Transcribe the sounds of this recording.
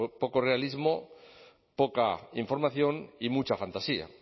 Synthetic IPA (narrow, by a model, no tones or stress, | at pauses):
poko̞re̞alizmo | pokaiɱfo̞ɾmaθjo̞nimut͡ʃafant̪asia̰